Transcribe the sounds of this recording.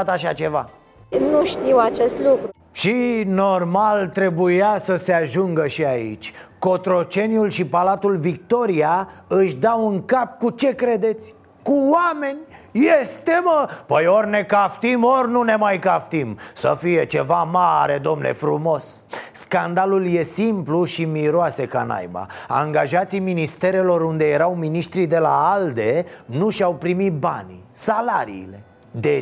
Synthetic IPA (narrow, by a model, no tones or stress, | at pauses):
at̪aʃat͡ʃe̞va̰ | nuʃt̪iwat͡ʃest̪lukɾ | ʃino̞rmalt̪ɾe̞bujasəse̞aʒuŋɡəʃiaḭt͡ʃʲko̞t̪ɾo̞t͡ʃe̞njulʃipalat̪ulvik̚t̪o̞ɾiaɨʃd̪awuŋkap̚kut͡ʃe̞kɾe̞d̪e̞t̪sʲ | kuwame̞nʲjest̪e̞məpəjo̞rʲne̞kaft̪imo̞rʲnune̞majkaft̪imsə̰fije̞t͡ʃe̞vamaɾe̞d̪o̞mne̞̰fɾumo̞s | skand̪alulje̞simpluʃimiɾoase̞ka̰na̰jba̰a̰ŋɡaʒat̪sijminist̪e̞ɾe̞lo̞ɾund̪e̞je̞ɾawminiʃt̪ɾid̪e̞la̰ald̪e̞nuʃawpɾimit̪̚ba̰nʲsalaɾḭːle̞ | d̪e